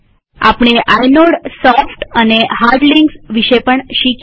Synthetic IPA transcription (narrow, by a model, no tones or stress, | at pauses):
a̰pɳ̃eʔajnoɽsɔfʈaneɦaɾɖliŋɡsʋiɕepəɳɕik